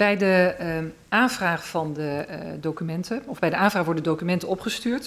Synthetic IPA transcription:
bɛjdə | aːnvraːχəvɑndədowkymɛntəɔvbɛjdəʔaːnvraːχʋɔɹdədədowkymɛntəɔpχəstyːɹt

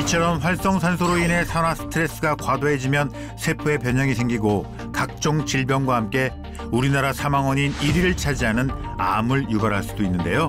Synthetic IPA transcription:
it͡ɕʰʌɾʌnɸwaɭs͈ʌŋsʰansʰoɾoinɦe̞sʰanasʰɯ̥tʰɯɾe̞s͈ɯɡakwadoɦe̞d͡ʑimjʌn | sʰepʰɯe̞pjʌɲaŋisʰe̞ŋɡiɡo | kak̚t͡ɕ͈oŋt͡ɕiɭbjʌnɡwahamk͈e̞ | uɾinaɾasʰamaŋwʌɲiniɾiɾɯɭt͡ɕʰad͡ʑiɦanɯn | a̰mɯɭjubaɾɦaɭs͈udoinːɯnde̞jo

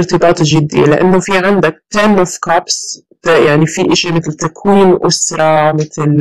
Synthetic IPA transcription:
ɾt̪ɨbɑːt̪ˤʒɪd̪ːḭlɪʔa̰nːofiʕand̪ak̚t̪aːnːʔofkabs | jaʕnifiʔɪʃimɪt̪lt̪akwiːnʔʊsɾˤɑmɪt̪l

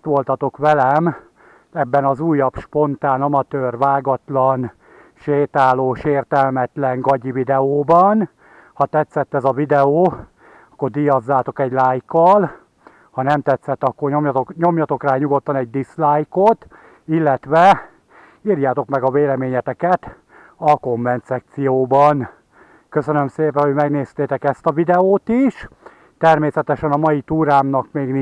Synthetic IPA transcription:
t̪ʋo̞lt̪ɒt̪o̞kʋɛlɛm | ɛbːɛnɒzuːjːɒbʃpo̞nt̪aːnɒmɒt̪øːrʋaːɡɒt̪lɒn | ʃeːt̪aːloːʃeːrt̪ɛlmɛt̪lɛŋɡɒɟivid̪ɛoːbɒn | hɒt̪ɛt̪sɛt̪ːɛzɒvid̪ɛoː | ɒkːo̞rd̪ijɒzːaːt̪o̞kɛɟlaːjkːɒl | hɒnɛmt̪ɛt̪sɛt̪ːɒkːoromɲo̞mjɒt̪o̞kraːɲuɡo̞t̪ːɒnɛɟ̚d̪islaːjkot̪ | ilːɛt̪ʋɛ | iːrjaːt̪o̞kmɛɡɒveːlɛmeːɲɛt̪ɛkɛt̪ | ɒko̞ɱvɛnt̪sɛk̚t̪sijoːbɒn | kø̞sønømseːpɛnhoɟmɛɡneːst̪eːt̪ɛkɛst̪ɒvid̪ɛoːt̪iʃ | t̪ɛrmeːsɛt̪ɛʃɛnɒmɒjit̪uːɾaːmnɒkmeːɡni

